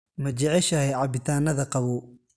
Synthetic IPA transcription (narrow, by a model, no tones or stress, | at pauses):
mɐt͡ʃɛʕɛʃɐhɛʕɑbɪt̪ʰaːnɐðɐqɑβʊː